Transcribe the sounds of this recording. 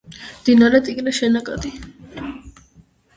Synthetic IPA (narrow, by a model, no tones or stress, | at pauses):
d̪̥inaɾɛt̪ʼikʼnɛʃɛnakʼa̰d̪i